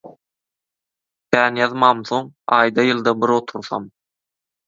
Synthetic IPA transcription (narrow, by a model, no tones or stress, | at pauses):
kʲʰæːnjɑðmɑːmθo̞ŋɑːjd̪ɑjɯlˠd̪ɑbiɾot̪ʰuɾθɑ̰m